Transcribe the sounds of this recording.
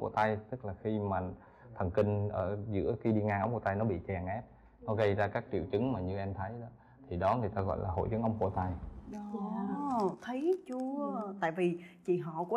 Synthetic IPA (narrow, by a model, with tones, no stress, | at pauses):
ku˧˩ət̪a˧jt̪ɨ˦˥k̚laː˨˩xi˧maː˨˩ | t̪ʰə˨˩ŋkï˧ŋ̟ʔəː˧˩zɨ̰˧˥əxi˧ɗi˧ŋa˧ŋʔə˧wŋ͡mku˧˩ə˩t̪a˧jnɔ˨˦ɓḭ˧˨t͡ɕɛ˨˩ŋʔɛ˦˥p̚ | nɔ˨˦ɣə˧jzaː˧kaː˦˥k̚t͡ɕḭ˧˨əwt͡ɕɨ˨˦ŋmaː˨˩ɲɨ˧ʔɛ˧mt̪ʰə˨˦jɗɔ˨˦ | t̪ʰi˨˩ɗɔ˨˦ŋɨ˨˩əjt̪aː˧ɣɔ̰˧˨jlʔaː˨˩ɦo̰˧˨jt͡ɕɨ˨˦ŋʔə˧wŋ͡mkṵ˧˩ət̪a˧jɗɔ˨˦ | t̪ʰə˨˦jt͡ɕu˨˦t̪a̰ː˧˨jvi˨˩t͡ɕḭ˧˨ɦɔ̰˧˨kɔ˨˦